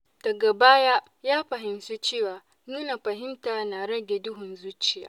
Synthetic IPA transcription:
d̥ɐ˨ɡa˨baː˦ja˦ʔ | jaː˦ɸɐ˨ɦɪ˦msu˦t͡ʃeː˦˨waː˨ | nuː˦na˨ɸɐ˨ɦɪ˦mtaː˨na˨ɽɐ˦ɡʲe˨dʊ˦ɦʊ˨nzuː˦t͡ʃɪ˨ja̰ː˦

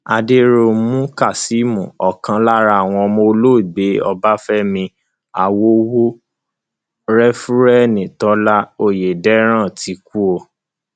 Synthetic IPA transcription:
a˧de˦ɾo˧˦mũ˦ka˦˨si˨˦mũ˨ɔ˨kã˧la˦ɾa˦˧˨w̃ɔ̃˧mo˧lo˦i˨ɡ͡be˨˦ɔ˧ba˦fɛ˦mĩ˧ | a˨wo˦wo˦ | ɾɛ˦fu˦ɾɛ˦˨nĩ˨tɔ˨˦la˦o˦˨je˨dɛ˦ɾ̃ã˦˨tʰi˨˦ku˦o˧

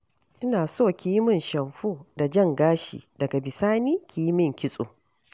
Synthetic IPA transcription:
ʔɪ˦naː˨soː˦˨kʲiː˦mɪ˦˨nʃɐ˨mɸuː˦da˨d͡ʒɐ˦ŋɡaː˦ʃḭː˨dɐ˨ɡa˨bɪ˨saː˦niː˦kʰʲiː˨jmɪ˦˨ŋkʲɪ˦sʼo̰ː˨

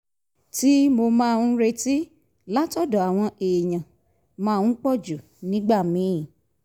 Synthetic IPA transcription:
ti˦mo˧mã˦˧ũ˦ɾe˧ti˦ | la˦tɔ˦˨dɔ˨a˨w̃ɔ̃˧eː˨jã˨ | mãː˧˦˧ũ˦k͡pɔ˦˨d͡ʒu˨ | nĩ˦ɡ͡ba˦˨mĩ˨˦˨

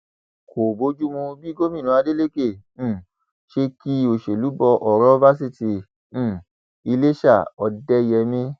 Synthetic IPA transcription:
kʰo˨bo˧˦d͡ʒu˦mũ˧bi˦ɡo˦mĩ˦˨ũ˨˧˦a˧de˦le˦kẽ˦˨˦ | ʃe˧ki˦o˧˨ʃe˨lu˨˦bɔ˧ʔɔ˨ɾɔ˦va˦s̬i˦˨tĩ˨˦˨ | i˧le˦ʃa˦˨ɔ˧dɛ˦jɛ˧mĩ˦

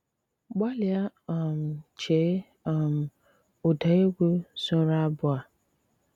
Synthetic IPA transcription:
ɡ͡ba˦lɪ˨a˦˨m˨t͡ʃʰe˨˦ | a˨m˨ | o˨da˨˦e˦ɡʷo˦sʊ˦ɾa˦bʊ˦a˨

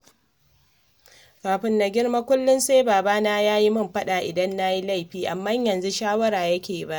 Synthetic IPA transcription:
kaː˨ɸɪ˦nːa˨ɡʲɪ˦ɽma˦kʷʊ˦lːɪ˦nsa˦baː˨baː˦naː˦jaː˦ji˦mɐ˦mɸɐ˦ɗa˨ʔɪ˨dɐ˦nːa˦ji˦la˦˨jɸiː˦ʔa˨mːɐ˦ɲjɐ˨nzu˦ʃaː˦wɐ˦ɾaː˨jɐ˦kʲeː˨ba˦ʔ

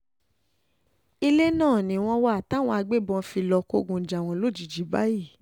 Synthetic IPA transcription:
i˧le˦nãː˦˨nĩ˨w̃ɔ̃˧wa˦a˨ta˦˨w̃ɔ̃˧a˧ɡ͡be˦bɔ̃˧fi˧lɔ˧ko˧ɡũ˧˨d͡ʒa˨w̃ɔ̃˧˦lo˦˨d͡ʒi˨d͡ʒi˨˦ba˦ji˦˨

